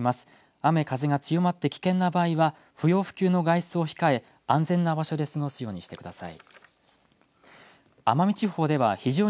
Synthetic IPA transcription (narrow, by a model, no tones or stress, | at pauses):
masɨ̥ | ame̞kaze̞ɡat͡sɨjo̞mat̪ːe̞kʲi̥kẽ̞nːabaːiβa | ɸɯ̟jo̞ːɸɯ̟̥kʲɨːno̞ɡaisɨo̞çi̥kae̞ | ãñzẽ̞nːabaɕod̪e̞sɨŋo̞sɨjo̞ːɲ̟iɕi̥t̪e̞kɯ̟d̪asa̰ḭ | amamʲit͡ɕiɦo̞ːd̪e̞βaçiʑo̞ː